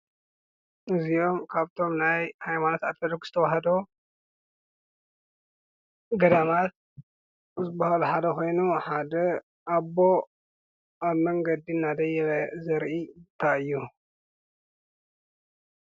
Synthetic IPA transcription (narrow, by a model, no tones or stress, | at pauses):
ʔɨzijo̞mkʰaβt̪ʰo̞mnajhajmanot̪ad̪fɐd̪okz̥ɨt̪ʰɐwaɦɐd̪o | ɡɐd̪amat̪̚ | zɨbːahaluħad̪ɐko̞jnuħad̪ɐ | ʔaβo̞ | ʔaβmɐŋɡɐd̪inːad̪ɐjɛzɐɾʔit̪ʰaɨjːu